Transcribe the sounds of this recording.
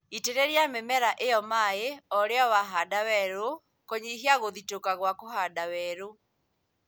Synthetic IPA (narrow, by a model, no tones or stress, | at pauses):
iteɾeɾjamemɛɾaʔeɔmaeɔɾeɔwaɦadawɛɾo | kɔɲiɦiaɣoðitokaɣwakohadawɛːɾo